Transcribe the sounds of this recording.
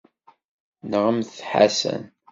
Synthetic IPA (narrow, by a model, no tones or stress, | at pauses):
nəʁəmθħa̰sə̰n